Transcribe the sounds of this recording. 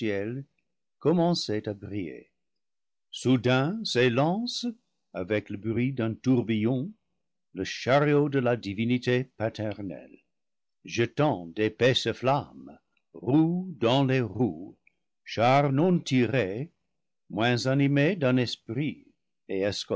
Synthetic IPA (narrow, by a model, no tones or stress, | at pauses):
jɛl | kɔmɑ̃setabʁijḛ | sudɛ̃selɑ̃s | avɛkləbʁɥidɛ̃tuʁbijɔ̃ | ləʃaʁjodəladivinitepatʰɛʁnɛ̰l | ʒətɑ̃depɛsəflam | ʁudɑ̃leʁu | ʃaʁnɔ̃tʰiʁe | mwɛ̃zanimedɛ̃nɛspʁi | eɛsk